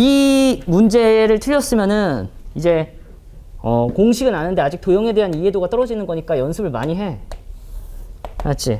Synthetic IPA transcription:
imund͡ʑe̞ɾɯɭtʰɯʎjʌs͈ɯmjʌnɯnid͡ʑe̞ | ʌkoŋɕʰiɡɯnanɯnde̞ad͡ʑik̚t͈ojʌŋe̞de̞ɦanie̞doɡat͈ʌɾʌd͡ʑinɯnɡʌɲik͈ajʌnsʰɯbɯɭma̰ɲiɦe̞ | at͡ɕ͈ʰi

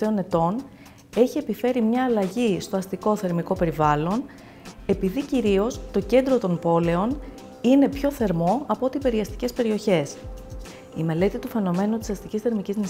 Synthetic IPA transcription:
eo̞ne̞t̪o̞n | e̞çie̞pife̞ɾimɲɐːlɐʝist̪o̞ɐst̪iko̞θe̞ɾmiko̞pe̞ɾivɐlo̞n | e̞piðiciɾio̞st̪o̞ce̞nd̪ɾo̞t̪o̞mpo̞le̞o̞n | ine̞pço̞θe̞ɾmo̞ɐpot̪ipe̞ɾiɐst̪i̥ce̞spe̞ɾio̞çe̞s | ime̞le̞t̪it̪ufe̞no̞me̞nut̪isɐst̪icisθe̞ɾmicizni

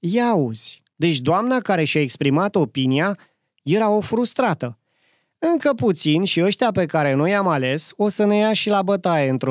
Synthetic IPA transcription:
jauz̥ʲ | d̪e̞t͡ʃʲd̪oamnakaɾe̞ʃiae̞kspɾimat̪o̞pinia | je̞ɾao̞fɾust̪ɾat̪ə | ɨŋkəput̪sinʃiəʃt̪eape̞kaɾe̞no̞jamale̞so̞səne̞jaʃilabət̪ae̞ɨnt̪ɾo

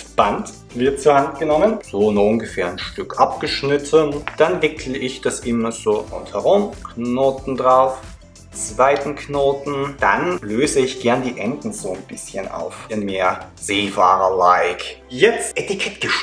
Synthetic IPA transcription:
b̥ant | v̥ɪɐt̚t͡suɐhant̚ɡ̥ənɔmənz̥oːnuʊnɡəfeːɐanʃtʏkʔapɡ̥əʃnɪtʰənd̥anvɪkʰl̩əʔɪçd̥asʔɪmɐz̥oːʊ̰nthɛʁʊmkʰnoːtn̩dʁaʊf | it͡sv̥aɪtn̩kʰnoːtn̩d̥a̰nløːzəɪçɡ̥ɛɐndiːʔɛndn̩z̥oːnb̥ɪsçənʔa̰ʊfɪnmeːɐz̥eːfa̰ːʁɐlaɪkjɛt͡stʔɛtikʰɛtɡ̥əʃ

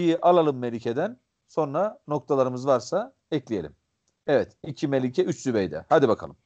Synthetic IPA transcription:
ijiʔalˠalˠɯmːelʲicʰed̪æn | so̞nɾano̞kt̪ʰalˠaɾɯmɯzvaɾsa | ɛclʲije̞lʲḭm | ɛvɛt̪icʰimelʲicʰɛyt͡ʃsybɛjd̪ɛ̰had̪ibakʰa̰lˠɯm

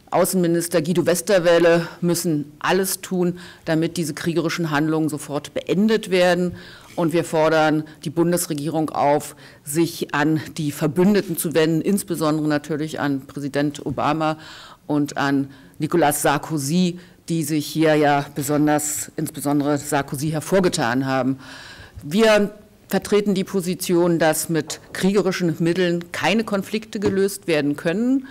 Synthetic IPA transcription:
ʔa̰ʊsn̩mɪnɪstɐɡiːdovɛstɐvɛːləmʏsn̩ʔaləstʰuːnd̥amɪt̚d̥iːzəkʁ̥iːɡəʁ̞ɪʃn̩ɦandlʊŋənzofɔɐtb̥əʔɛndətv̥eːɐdn̩ | ʔʊntv̥iːɐfɔɐɾɐnd̥iːbʊndəsʁeɡiːʁ̞ʊŋʔa̰ʊf | z̥ɪçʔand̥iːfɛɐbʏndətn̩t͡suvɛndn̩ʔɪnsb̥əzɔndəʁənatʰyːɐlɪça̰npʁ̥ɛzidɛntʔo̰ba̰ːmaʔʊntanː | ikolasz̥aɐkʰoziː | d̥iːzɪçhiːɐjaːb̥əzɔndɐsʔɪnsb̥əzɔndəʁəz̥aɐkʰoziːɦɛɐfoːɐɡətʰa̰ːnɦaːbm̩ | viːɐ | fɛɐtʁ̥eːtn̩diːpʰozit͡sjoːndasmɪtkʁ̥iːɡəʁɪʃn̩mɪtl̩nkʰaɪnəkʰɔnflɪktəɡəløːstv̥eːɐdn̩kʰœnən

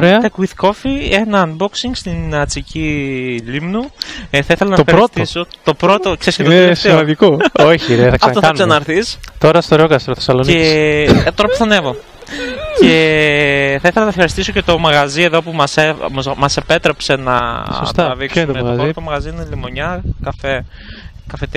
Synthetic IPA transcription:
oɾeɐt̪ekuiθko̞fie̞nɐnboksiŋɡst̪inɐt͡sicilimnuθɐiθelɐnɐoxɐɾost̪sot̪o̞pɾo̞t̪okse̞ɾiscet̪semɐnd̪ikooçiɾeθɐksɐfɐt̪oɐnsɐnɐɾθist̪o̞ɾɐst̪oɾeokɐst̪ɾoθesɐlonet̪oɾɐpuθɐne̞vo̞ | ce̞ | θɐiθelɐnɐfxɐɾist̪isocet̪o̞mɐɣɐzieðo̞pumɐsemɐse̞pe̞t̪ɾe̞pse̞nɐ̰sost̪ɐɐðiksummeɐzt̪omɐɣɐzinlimoɲɐkɐfe | kɐfet̪

